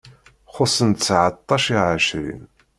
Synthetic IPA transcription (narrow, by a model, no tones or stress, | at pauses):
χʊsənt̪t͡sːʕət̪ˤːɑʃiʕəʃɾḭn